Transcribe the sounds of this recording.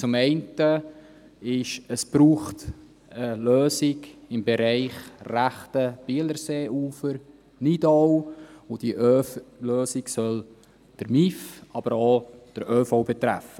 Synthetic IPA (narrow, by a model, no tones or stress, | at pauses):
t͡sʊmɛɪntə | ɪʃəsb̥ɾuːχt | əløːsɪɡɪmbeɾɛɪχræχtəb̥iələɾseːʔuːfəɾ | nidowʊd̥iʔøløːsɪɡsœl | d̥əɾmifɑb̥əɾod̥əɾʔøːfowbɛtɾæ̰fə